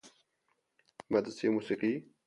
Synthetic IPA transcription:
mɐd̪simusiqi

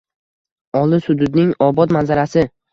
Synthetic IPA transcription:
ɒlˠɪsʊd̪ʊd̪nɪŋɒbɒt̪manzaɾasɪ

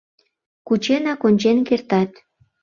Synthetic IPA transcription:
kut͡ɕenɑkonʲt͡ɕenkert̪ɑt̪

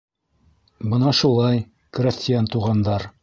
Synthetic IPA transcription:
bɤnɑʃulˠɑj | krʲɪsʲtʲɪjant̪uʁɑnd̪ɑɾ

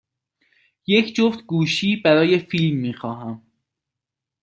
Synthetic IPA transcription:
je̞cʰd͡ʒoft̪ɡuːʃiːbæɾɒːje̞fiːlmːiːxɒːɦæm

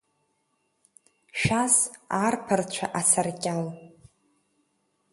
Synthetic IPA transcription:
ʃᶣasarpʰɨrt͡ɕʷʰa̰ʔasʰarkʲʼal

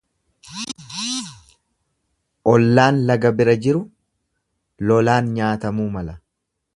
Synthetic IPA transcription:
ʔɔlːaːnlɐɡɐbɪɾɐd͡ʒɪɾʊ | lɔlaːnɲaːt̪ɐmuːmɐlɐ

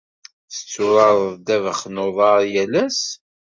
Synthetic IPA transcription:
θə̥t͡sːʊɾɑɾˤəðˤd̪ævəχnoðˤɑɾˤjælæs

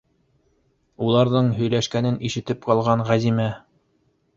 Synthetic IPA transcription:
ulˠɑɾðɤɴɦɵ̆jlæʃkænɘniʃɘ̆t̪ɘpqɑlˠʁɑɴʁæzimæ

